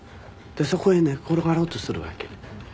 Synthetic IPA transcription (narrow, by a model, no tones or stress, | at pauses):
d̪̥eso̞ko̞enekʰoɾoɡaɾoːt̪osɨɾɯ̟βa̰ke̥